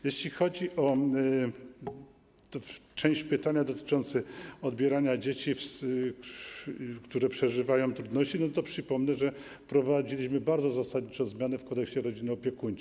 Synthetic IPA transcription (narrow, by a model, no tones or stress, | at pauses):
jeɕlʲixɔd͡ʑiʔɔ | t̪ɔt͡ʂɛ̃w̃ɕt͡ɕpɘt̪aɲad̪ɔt̪ɘ̥t͡ʂɔnt̪sɘɔd̪bʲjɛɾaɲad͡ʑet͡ɕifs | kt̪uɾɛpʂɛʐɘvajɔ̃w̃t̪ɾud̪nɔɕt͡ɕinɔt̪ɔpʂɘpɔmnɛʐɛ | pɾɔvad͡ʑilʲiɕ̬mɘbaɾd̪zɔzasad̪ɲit͡ʂɔ̃w̃zmʲjanɛfkɔnt̪ɛkɕt͡ɕɛɾɔd͡ʑinɘɔpʲjɛkuɲ